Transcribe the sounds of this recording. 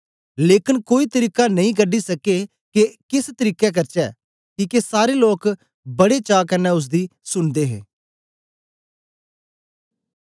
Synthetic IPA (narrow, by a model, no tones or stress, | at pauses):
leːkɪnkoːiːt̪əɾiːkanɐĩːɡəɖisɐke | kekɪst̪əɾiːkɛk̬ɐɾt͡ʃɛː | kiːkesaːɾeloːk | bɐɽet͡ʃaːkənɛːʊs̬d̪iːsʊnd̪eːɦḛː